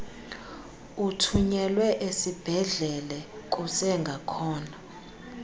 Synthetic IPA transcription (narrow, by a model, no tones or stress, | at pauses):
utʰuɲɛlwɛʔesib̥ʱɛɮɛlɛk̬ʼusɛŋɡʱakʰɔːna